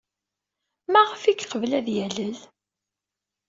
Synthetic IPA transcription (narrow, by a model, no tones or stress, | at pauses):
mæʁəfikːqəvlæðjæləl